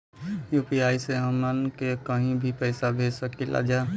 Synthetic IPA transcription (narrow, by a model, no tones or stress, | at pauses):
juːpiaːiseɦəmənkekəɦĩbʱipəɪsabʱeːsəkilʔa̰d͡ʒa